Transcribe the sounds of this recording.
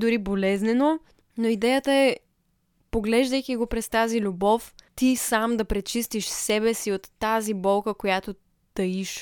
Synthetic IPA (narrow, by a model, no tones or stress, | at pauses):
d̪ʊɾibolɛznɛno | noid̪ɛjət̪əɛ | poɡlɛʒd̪əjkiɡopɾɛst̪azilʲʊbɔft̪isamd̪ɐpɾɛt͡ʃist̪iʃsɛbɛsiot̪ːazibɔlˠkəkojat̪o | t̪ɐiʃ